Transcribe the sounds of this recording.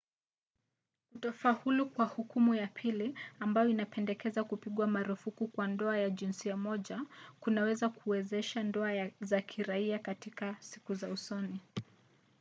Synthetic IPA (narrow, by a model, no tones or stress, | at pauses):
utɔfahulukwahukumujapʰiliambajɔinapɛndɛkɛzakupiɠwamaɾufukukwandɔajaʄinsiamɔʄakunawɛzakʰuwɛzɛʃandɔazakʰiɾaiakatikasi̥kuzausɔni